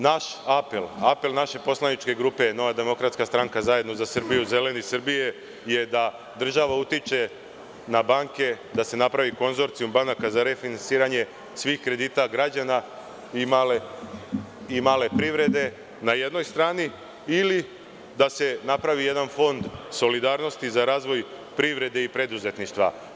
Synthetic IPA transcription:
naʃapelape̞lnaʃe̞po̞slˠanit͡ʃke̞ɡɾuːpe̞no̞ʋad̪e̞mo̞kɾat̪skast̪ɾaŋkazaje̞d̪no̞zasr̩bijuze̞le̞nisr̩bije̞ | je̞d̪a | d̪r̩ʒaʋaut̪it͡ʃe̞ | nabaŋke̞ | d̪ase̞napɾaʋiko̞nzo̞ɾt̪sijumbanakazaɾe̞finansiːɾaɲe̞ | sʋiːxkɾe̞d̪iːt̪aɡɾad͡ʑana | imale | imaːle̞pɾiʋɾe̞d̪e̞ | naje̞d̪no̞jst̪ɾaːniː | li | d̪ase̞napɾaʋije̞d̪anfo̞nd̪so̞lid̪aːɾno̞st̪izaɾaːzʋo̞j | pɾiʋɾe̞d̪e̞ipɾe̞d̪uze̞t̪niʃt̪ʋa̰

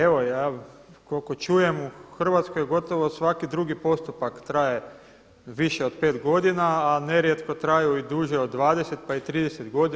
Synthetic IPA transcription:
e̞ʋo̞jaːkolko̞t͡ʃuje̞muxr̩ʋat̪skojɡo̞t̪o̞ʋo̞sʋakid̪ɾuɡipo̞st̪upakt̪ɾaje | ʋiʃe̞o̞d̪peːt̪ɡo̞d̪inaːne̞ɾje̞t̪ko̞t̪ɾajuid̪uːʒeod̪ːʋaːd̪eset̪̚pait̪ɾiːd̪eset̪ɡo̞d̪

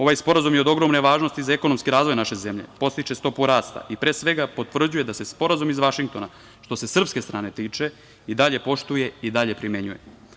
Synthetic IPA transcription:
o̞ʋaːjspo̞ɾazumjeo̞d̪o̞ɡɾo̞mne̞ʋaːʒno̞st̪izaekonomskiɾaːzʋo̞jnaʃe̞zemʎe̞̰po̞st̪it͡ʃe̞st̪o̞puɾaːst̪a̰ʔipɾeːsʋe̞ɡapo̞t̪ʋr̩d͡ʑuje̞d̪ase̞spo̞ɾazumizʋaʃiŋk̚t̪o̞na | ʃt̪o̞se̞sr̩pske̞st̪ɾaːne̞t̪iːt͡ʃe̞ | id̪aʎe̞po̞ʃt̪uje̞id̪aʎe̞pɾimjeɲujḛ

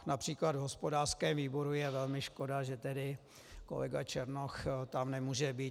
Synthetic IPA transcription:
napr̥iːklad̪vɦospodaːr̥skɛːmviːbo̞ɾujɛvɛlmɪʃkodaʒɛt̪ɛdɪ | ko̞̰lɛ̰ɡat͡ʃɛɾnoxt̪amnɛmuːʒɛbiː

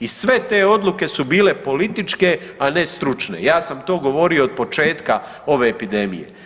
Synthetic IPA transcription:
isʋe̞t̪e̞ːo̞d̪lˠuke̞subiːle̞po̞lit̪it͡ʃke̞ | ane̞st̪ɾut͡ʃne̞̰jaːsamt̪o̞ːɡo̞ʋo̞ɾio̞ːd̪̚po̞t͡ʃe̞ːt̪ka | o̞ʋe̞ːpid̪e̞mḭjḛ

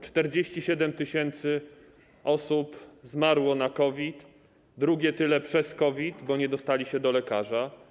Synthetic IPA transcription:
t͡ʂt̪ɛɾd͡ʑeɕt͡ɕiɕɛd̪ɛmt̪ɘɕɛnt̪sɘ | ɔsupzmaɾwɔnakɔvʲit̪ | d̪ɾuɡʲɛt̪ɘlɛpʂɛskɔvʲit̪bɔɲɛd̪ɔst̪alʲiɕɛd̪ɔlɛkaʐa

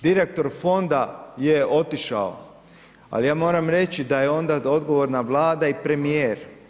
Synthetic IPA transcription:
d̪iɾek̚t̪o̞ɾfo̞nd̪ajeo̞t̪iʃa̰o̰ | a̰lijaːmo̞ːɾamɾe̞t͡ɕid̪ajeo̞nd̪ao̞d̪ɡo̞ʋo̞ɾnaʋlˠaːd̪aipɾe̞mijeːɾ

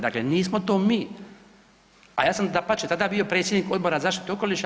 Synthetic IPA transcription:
d̪akleniːsmo̞t̪oːmi | ajaːsamd̪apat͡ʃet̪ad̪aːbijo̞pɾet̪sjed̪niko̞d̪̚bo̞ɾazaːʃt̪i̥t̪o̞ko̞liʃ

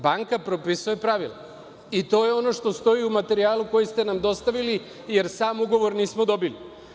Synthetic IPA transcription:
baŋkapɾo̞pisujepɾaʋila | it̪o̞ːje̞o̞no̞ʃt̪o̞st̪o̞iumat̪e̞ɾiaːluko̞jist̪e̞namd̪o̞st̪aʋili | je̞ɾsaːmuɡo̞ʋo̞ɾniːsmo̞d̪o̞bili

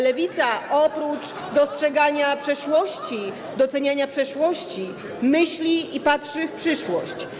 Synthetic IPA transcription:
lɛvʲit̪saʔɔpɾut͡ʂ | d̪ɔstʂɛɡaɲapʂɛʂwɔɕt͡ɕi | d̪ɔt̪sɛɲaɲapʂɛʂwɔɕt͡ɕi | mɘɕlʲiipatʂɘfpʂɘʂwɔ̰ɕt͡ɕ

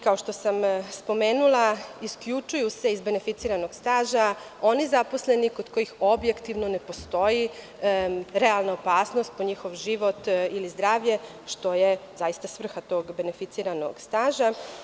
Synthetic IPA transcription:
kaoʃt̪o̞samspo̞me̞ːnulˠaiskʎut͡ʃujuse̞izbe̞ne̞fit̪iːɾano̞ɡst̪aːʒa | o̞nizaposle̞nikod̪ko̞jixo̞bjekt̪iʋno̞ne̞po̞st̪o̞i | ɾealˠnaopaːsno̞st̪̚poɲixoʋʒiʋo̞t̪ilizd̪ɾaːʋʎe̞ | ʃt̪o̞jezajist̪asʋr̩xat̪o̞ːɡbe̞nefit̪siːɾano̰ɡst̪aːʒa

